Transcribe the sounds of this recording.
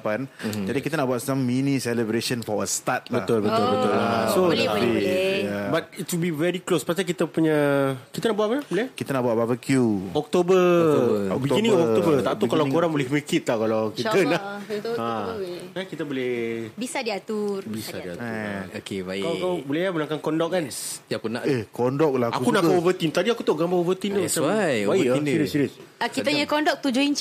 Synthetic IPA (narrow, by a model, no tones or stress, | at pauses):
pand͡ʒadikit̪anaʔbuat̪̚samːinĩsɛləbɾeʃənfɔəst̪at̪̚bləat̪ʊlbət̪ʊlbət̪ʊlasoat̪apijabat̪̚itubivɛɾiklospast̪ik̬it̪əpuɲəkit̪anaʔbuwat̚pəlabolɛhkit̪anaʔbuaʔ̚bavəkjuɔk̚t̪obə | ɔbiɡinĩŋɔk̪obət̪aʔt̪ukalawkoɾaŋbolɛhwikɪt̪̚lakalawkit̪ənaaakit̪əbolɛhbisadiat̪urbisadiaokebajkakawbulɛhaməlaŋkankɔndɔk̚anakuna̰ʔehkondɔk̚laha̰kunaʔkovət̪int̪adiakut̪oʔɡambaovət̪int̪osabajinisiɾisakit̪əɲəkɔndɔk̚t̪ud͡ʒuint͡ʃ